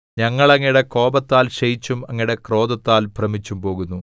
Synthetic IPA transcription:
ɲɐŋːɐɭɐŋːiɽe̞ko̞ːbɐt̪ːaːlɕɐjit͡ɕːumɐŋːiɽe̞kro̞ːd̪ɐt̪ːaːlprɐmit͡ɕːumpo̞ːɣunːu

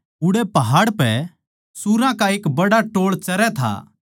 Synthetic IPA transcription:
ʊɽɛpɐɦaːɽpɛ | suɾãkaeːkbɐɽaʈoːɭt͡ʃɐɾɛt̪ʰa̰ː

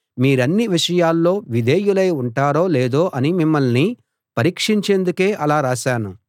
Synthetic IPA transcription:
miːɾɐnːiʋiʂɐjaːlːo̞ːʋid̪ʱeːjulɐjuɳʈaːɾoːleːd̪o̞ːʔɐnimimːɐlni | pɐɾiːkʂiɲt͡ʃeːnd̪uke̞ːʔɐlaːɾaːʃaːnu

